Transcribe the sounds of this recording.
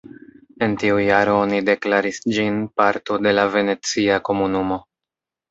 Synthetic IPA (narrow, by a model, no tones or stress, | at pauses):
e̞ntiujaɾo̞onide̞klaɾisd͡ʒinpaɾto̞de̞lave̞ne̞t͡siako̞munumo̞